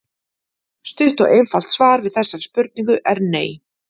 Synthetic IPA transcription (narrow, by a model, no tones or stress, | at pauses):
st̪ʏht̪ɔɣejnfal̥t̪svaːɾvɪðθɛsːav̥spʏɾt̪niŋkʏʔɛɾneːj